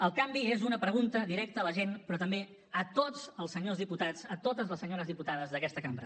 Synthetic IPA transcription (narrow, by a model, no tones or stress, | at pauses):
əlˠkambiezunəpɾəɣunt̪əðiɾɛk̚t̪əːləʒenpɾɔt̪əmbe | ət̪od͡zəlˠsəɲozðiput̪ad͡zət̪ot̪əzləsːəɲoɾəzðiput̪að̞əzðəkɛst̪əkambɾə